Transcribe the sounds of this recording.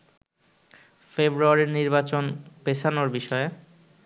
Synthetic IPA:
febɾuaɾiɾniɾbat͡ɕonpet͡ɕʰanoɾbiʃɔe

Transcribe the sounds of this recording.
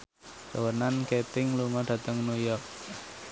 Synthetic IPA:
səwənanket̪ɪŋluŋɔɖ̥ä̤t̪əŋnujɔrk̚

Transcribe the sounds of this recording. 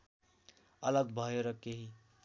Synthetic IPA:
ʌlʌɡbʱʌjeɾʌkeɦi

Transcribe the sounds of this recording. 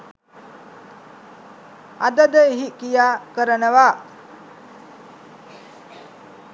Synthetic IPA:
a̰d̪əd̪əɦiʔkijakəɾənəʋa

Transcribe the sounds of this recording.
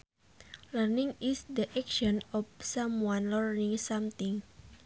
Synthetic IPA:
lərniŋisd̪əʔɛkʃɔnɔfsamwanlərniŋsamt̪iŋ

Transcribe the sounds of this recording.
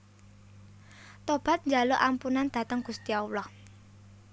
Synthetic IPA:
t̪ob̥a̤t̪̚ɲd͡ʒaloʔampunand̪̥ä̤t̪əŋɡ̥ust̪iaulɔh

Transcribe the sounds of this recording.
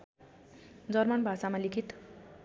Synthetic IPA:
d͡zʌrmʌnbʱasamalikʰit̪

